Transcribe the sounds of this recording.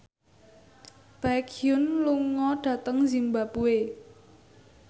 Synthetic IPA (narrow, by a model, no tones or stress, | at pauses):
b̥akʰijʊnluŋɔɖ̥ä̤t̪əŋzimbapue